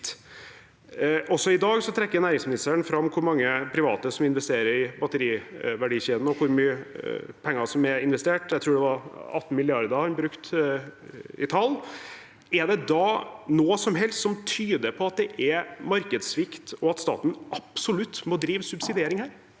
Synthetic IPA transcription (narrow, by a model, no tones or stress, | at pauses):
ʔɔsɔɪd̪ɑːɡsɔt̪ʰɾɛkːəɾnæːɾɪŋsmɪnɪst̪əɳfɾɑmːkʰʊɾmɑŋːəpʰɾɪʋɑ̰ːt̪əsɔmɪnʋɛst̪eːɾəɾɪbɑt̪əɾiːʋæɖiːɕeːd̪n̩ɔkʰʊɾmyːəpʰɛŋːɑsɔmɛɪnʋɛst̪eːʈjæɪt̪ʰɾuːɖɛʋɑɾɑ̰t̪ːn̩mɪlɪɑɾd̪əɑnbɾʉkt̪ | ɪ̰t̪ʰɑlː | ɛɖɛd̪ɑnoːsɔmɦɛlst̪sɔmt̪ʰyːd̪əpʰɔɑt̪̚d̪ɛʔɛmɑɾkəd̪sʋɪkt̪ɔɑt̪st̪ɑ̰ːt̪n̩ʔɑpsɔlʉt̪ːmɔd̪ɾiːʋsʉbsɪd̪ɪeːɾɪŋhæːɾ